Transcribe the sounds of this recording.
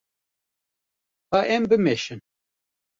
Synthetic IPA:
haːʔɛmbɨmeʃɨn

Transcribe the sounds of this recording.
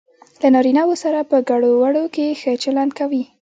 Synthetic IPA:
lanɑɾinawosaɾapəɡaɽowaɽokexət͡ʃalankawi

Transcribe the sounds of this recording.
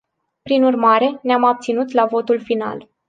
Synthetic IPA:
pɾinurmaɾe̞neamab̚t̪sinut̪lavo̞t̪ulfina̰l

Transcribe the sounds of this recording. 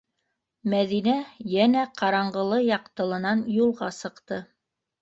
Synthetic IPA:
mæðinæjænæqɑɾɑɴɢɤ̆lˠɤjɑqt̪ɤ̆lˠɤ̆nɑnjulˠʁɑsɤ̆qt̪ɤ

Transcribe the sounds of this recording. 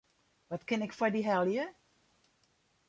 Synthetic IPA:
ʋɔtkɪnɪkfɔdiɦɛlˠjə

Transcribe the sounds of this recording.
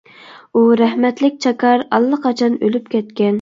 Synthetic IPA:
uɾɛhmɛt̪lɪk̚ʲt͡ʃʰɑkʰɑɾɑlˠːəqʰɑt͡ʃʰɑnølypkʲɛt̪kʲɛn

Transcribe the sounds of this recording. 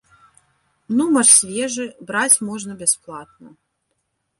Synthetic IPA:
numɐʂsʲvʲɛʐɨbɾat͡sʲmɔʐnɐbʲasplˠat̪̚nɐ

